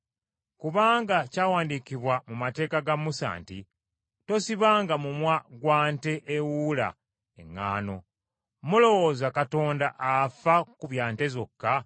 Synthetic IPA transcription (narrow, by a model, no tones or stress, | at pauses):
kuβaːŋɡacaːwaːndikiβwamumate̞ːkaɡamusa̰ːntḭ | to̞siβaːŋɡamumwaɡwaːnte̞ʔːwuːla̰ | ḛŋːa̰ːno̞̰ | mulo̞wo̞zakato̞ːndaʔafakuβjaːnte̞zo̞kːa